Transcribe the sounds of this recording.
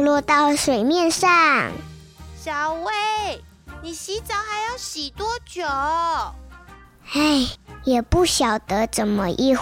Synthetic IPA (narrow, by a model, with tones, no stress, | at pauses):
lwɔ˥˧t̪ɑ˥˩ʊʂwe˨˩ɪmjɛ˥˧nʂɑ˥˨˩ŋ | ɕjɑ˨˩ʊwe˥˩ | ni˨˩ɕi˧˥t͡sɑ˨˦ʊxa˨˧˥ɪjo˥˩ʊɕi˨˩t̪wɔ˥t͡ɕjo˨˩ | e˥˩ɪjɛ˨˩pu˥˩ɕjɑ˨˩ʊt̪ə˧˦ʈ͡ʂə˨˩nmə˦ʔi˥˧